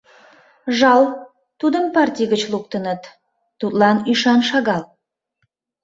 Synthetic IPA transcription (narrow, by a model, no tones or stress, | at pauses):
ʒɑlˠ | t̪ud̪əŋpart̪ʲijɡət͡ʃlˠuk̚t̪ənət̪ | t̪ut̪lˠɑniʃɑnʃɑɡɑlˠ